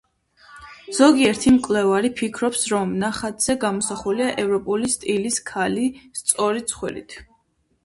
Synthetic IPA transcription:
z̥ɔɡiɛɾt̪ʰimkʼlɛvaɾipʰikʰɾɔpsɾɔmnaχat̪ʰz̥ɛɡamɔsaχuliaʔɛvɾɔpʼulist̪ʼiliskʰalist̪sʼɔɾit̪sʰχwḭɾḭt̪ʰ

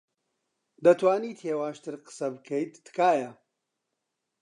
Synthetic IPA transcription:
d̪ɐt̪ʰwaːniːt̪ʰheːwaːʃt̪ɨɾqɨ̥sɐbɨkʰɐjt̪ːɨ̥kaːjɐ

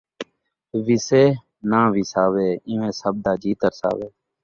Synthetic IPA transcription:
ʋɪseː | nãːʋiːsaːʋeːɪ̃ːʋẽːsəb̚d̪aːd͡ʒiːt̪əɾsa̰ːʋeː

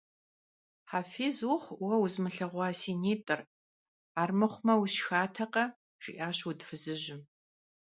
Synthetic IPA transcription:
ħaːfeːzwʊχʷwɐwʊzmɨɬɐʁʷɑːsiːneːtʼɐr | aːrmɨχʷmɐwuɕxaːtʰɐqɐ | ʒ̥ɪ̰ʔaːɕwudfɨzɨʑɪm

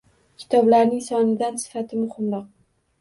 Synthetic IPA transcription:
kʲʰɪ̥t̪ʰɒblaɾnɪŋsɒnɪd̪ansɪ̥fat̪ʰɪmʊhɪmɾɒq̚

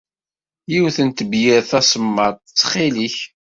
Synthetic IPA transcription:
jiwθənt̪əbjɪɾθæsəmːəˤt͡sːχɪliç

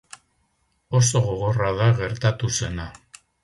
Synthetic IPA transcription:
o̞s̬o̞ɣo̞ɣo̞raðaɣe̞ɾt̪at̪use̞na

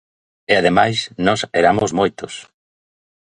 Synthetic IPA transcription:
eaðemajsnɔseɾamozmojt̪ʊs

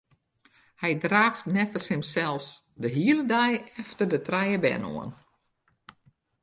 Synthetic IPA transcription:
hɛjdraːftnɛfəshɪmsɛlˠsdəɦiəlˠədajɛftərdətrɛjəbɛ̰no̰ən

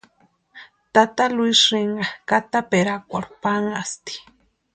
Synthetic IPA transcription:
t̪at̪alwiʂiŋɡakat̪apeɾakʷaɾpaŋast̪i̥

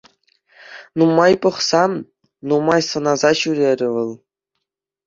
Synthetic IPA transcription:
numɑjpɤ̆χsɑm | numɑjsɤ̆nɑzɑɕyɾʲeɾʲɘ̆ʋɤ̆lˠ

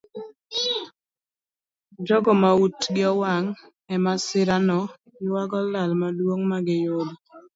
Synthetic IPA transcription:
d͡ʒɔɡɔmautɡɪɔwaŋ | ɛmasɪɾanɔ | ɪwaɡɔlalmadwoŋmaɡɪjʊd

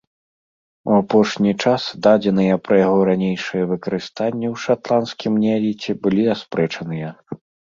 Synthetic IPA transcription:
wapɔʂnʲit͡ʂasd̪ad͡zʲɛnɨjɐpɾɐjaɣɔɾanʲejʂɨjɐvɨkɐɾɨst̪anʲːɛwʂat̪lˠanskʲimnʲalʲit͡sʲɛbɨlʲiaspɾɛt͡ʂɐnɨjɐ

